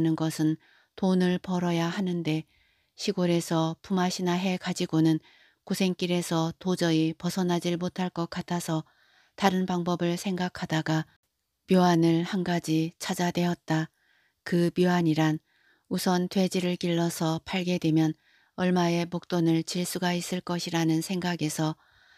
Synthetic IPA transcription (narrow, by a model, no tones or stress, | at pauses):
nɯnɡʌsʰɯn | tonɯɭpʌɾʌjahanɯnde̞ | ɕʰiɡoɾe̞sʰʌpumaɕʰinaɦe̞kad͡ʑiɡonɯn | kosʰe̞ŋk͈iɾe̞sʰʌtod͡ʑʌipʌsʰʌnɦad͡ʑiɭmotʰaɭk͈ʌk͈atʰasʰʌ | taɾɯnpaŋbʌbɯɭsʰe̞ŋɡakʰadaɡa | pjoanɯɭhanɡad͡ʑit͡ɕʰad͡ʑadwe̞ʌt̚t͈a | kɯpjoɦaɲiɾan | usʰʌntwe̞d͡ʑiɾɯɭkiɭːʌsʰʌpʰaɭɡe̞dwe̞mjʌn | ʌɭmae̞mok̚t͈onɯɭt͡ɕiɭs͈uɡais͈ɯɭk͈ʌɕʰiɾanɯnsʰe̞ŋɡaɡe̞sʰʌ